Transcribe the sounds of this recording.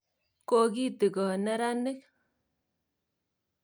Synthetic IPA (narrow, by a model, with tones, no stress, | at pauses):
ko˦˨k̬i˦ti˨kɔ˨nɛ˦ɾa˦nɪ˦k̚